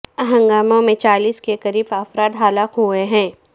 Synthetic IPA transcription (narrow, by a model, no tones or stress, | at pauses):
ɐɦə̃ŋɡaːmõmẽt͡ʃaːliːskekɐɾiːbaːfɾaːd̪ɦaːlakɦueɦɛ̃ː